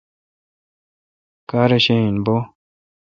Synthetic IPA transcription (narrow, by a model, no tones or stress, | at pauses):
kaɾeʃeinbo